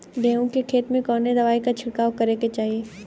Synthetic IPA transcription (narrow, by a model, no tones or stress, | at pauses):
d̪eːõkekʰeːt̪mẽkɔːned̪ɐʋaːikat͡ʃʰɪɽkaːwkɐɾeket͡ʃaːɦieː